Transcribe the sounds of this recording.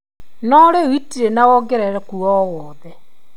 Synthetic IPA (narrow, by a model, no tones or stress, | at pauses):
nɔɾewitiɾenawɔɡeɾɛɾɛkuɔwɔðɛ